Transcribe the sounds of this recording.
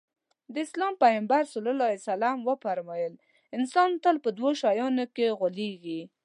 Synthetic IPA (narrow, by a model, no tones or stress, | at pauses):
d̪əɪslɑmpajambaɾsʊlʊlɑesalamwəfaɾmɑjəl | ɪnsɑnt̪əlpəd̪woʃɑjɑnokeɣʊleɡi